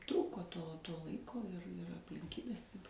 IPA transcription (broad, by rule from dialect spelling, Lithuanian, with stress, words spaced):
ˈtruːkoː toː ˈlˠɐɪkoː ɪr ɐpʲlʲɪŋʲˈkʲiːbʲeːs